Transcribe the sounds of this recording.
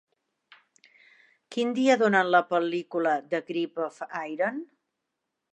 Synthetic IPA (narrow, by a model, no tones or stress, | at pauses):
kind̪iəðonənləpəlikuləd̪əɣɾipofajɾən